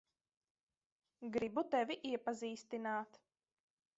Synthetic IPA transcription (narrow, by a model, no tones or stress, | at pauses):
ɡɾibut̪ɛvʲiʔiɛpaziːst̪inaːt̪